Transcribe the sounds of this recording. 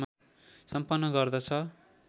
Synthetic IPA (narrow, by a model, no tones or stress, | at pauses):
m | sʌmpʌnːʌɡʌrd̪ʌt͡sʰʌ